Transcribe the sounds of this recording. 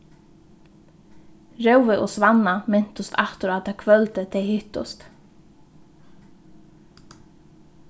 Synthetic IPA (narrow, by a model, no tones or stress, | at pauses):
ɾewvɪʔɔsvanːamɪn̥t̪ʊst̪ʰaht̪ʊɾat̪ʰakʰvœlt̪ɪt̪ʰejhɪht̪ʊ̰st̪